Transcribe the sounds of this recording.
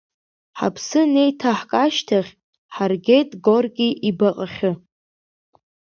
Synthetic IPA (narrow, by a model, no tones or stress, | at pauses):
ħa̰pʰsɨne̞jtʰaħkʼaʃtʰaχʲ | ħarɡʲe̞jtʼɡorɡʲʼiʔibaqʼaχʲɨ